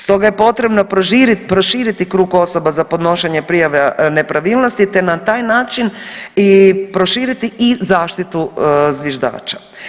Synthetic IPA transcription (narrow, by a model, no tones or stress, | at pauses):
st̪o̞ɡaje̞po̞t̪ɾe̞bnoiɾpɾoʃiːɾit̪ikɾuːɡo̞so̞bazapo̞d̪no̞ʃeɲepɾijaʋenepɾaʋiːlˠnost̪it̪enat̪aːjnaːt͡ʃinipɾo̞ʃiːɾit̪iʔizaːʃt̪it̪uzʋjeʒd̪a̰ːt͡ʃḁ